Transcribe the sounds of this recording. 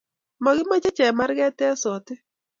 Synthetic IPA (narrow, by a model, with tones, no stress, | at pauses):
mɔ˨ɡɪ˦mɔ˦t͡ʃe˦t͡ʃɛ˨ma˦ɾɡɛ˦tɛ˦sɔ˨tɪ˦